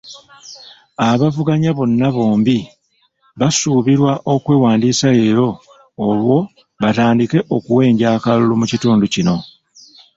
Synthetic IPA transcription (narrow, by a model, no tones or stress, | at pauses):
aβavuɡaɲaβo̞nːaβo̞ːmbi | βasuːβiɾwaʔo̞kwe̞ːwaːndiːsae̞ːɾo̞ː | βwo̞ | βataːndike̞ʔo̞kuwe̞ːɲɟaːkalulumucituːnducino̞